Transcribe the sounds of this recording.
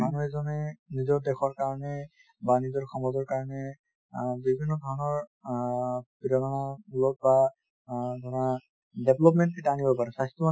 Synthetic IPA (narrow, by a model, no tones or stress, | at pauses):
manuɛzɔnɛnizɔɹdɛxɔɹkaɹɔnɛ | banizɔɹxʰɔmɔzɔɹkaɹɔnɛ | bibʱinːɔd̪ʱɔɹɔnɔɹ | piɾɔnɔnaulɔk̚ba | dʱɔɹɔna | dɛblɔpmɛntkitanibɔpaɹɛsajstɔma